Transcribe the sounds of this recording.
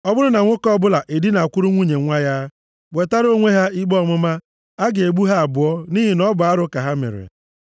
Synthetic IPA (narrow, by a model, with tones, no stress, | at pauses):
ɔ˦bʊ˦ɾʊ˦na˨ŋʷʊ˦kɔ˦bʊ˦la˨ʔe˨di˦na˨kʷʊ˦ɾʊ˦ŋʷu˦ɲe˨ŋʷa˦ja˦ | ɡ͡be˨ta˦ɾo˦ŋʷe˦ɦa˦i˦ɡ͡bɔ˦˨mʊ˦ma˦ | a˦ɡe˨ɡ͡bu˦ɦa˦a˨bʊ˨ɔ˦ni˦ɦi˨nɔ˦bʊ˨a˦ɾʊ˦ka˨ɦa˦mḛ˨ɾḛ˨